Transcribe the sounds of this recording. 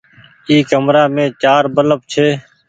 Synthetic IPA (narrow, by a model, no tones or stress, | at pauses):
iːkəmɾaːmẽːt͡ʃaːɾbələp̚t͡ʃʰeː